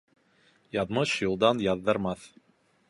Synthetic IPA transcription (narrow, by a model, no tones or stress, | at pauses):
jɑðmɤʃjulˠd̪ɑnjɑðːɤ̆ɾmɑθ